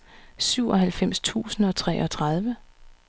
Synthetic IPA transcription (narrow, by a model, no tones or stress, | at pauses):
syʊ̰ɒ̽ɦælfem̰st͡sʰṵːsn̩ɒ̽t͡sʰʁɛ̰ːʔɒ̽t͡sʰʁað̞ˠʋə